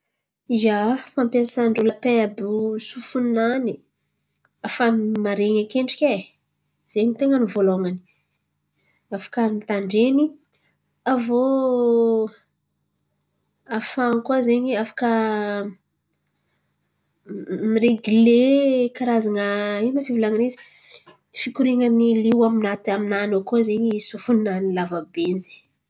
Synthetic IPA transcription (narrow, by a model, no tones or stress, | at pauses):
izafampasaɳɖ͡ʐulapeabusufunani | afamaɾeɲakeɳɖ͡ʐi̥kʲe | z̥eɲt̪eŋənivoloŋani̥ | afḁkənit̪aɳɖ͡ʐeni | avo | afaŋkuazeɲiafḁkə | miɾeɡulekaɾazaŋəimafivilaŋanizi̥ | fikuɾiŋəniliwaminat̪aminanokozeɲisufunnanilavabenize̥